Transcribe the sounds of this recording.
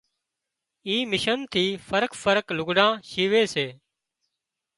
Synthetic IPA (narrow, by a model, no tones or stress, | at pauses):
iːmɪʃənt̪ʰiːfəɾkfəɾklʊɡɖãːʃiːʋeːseː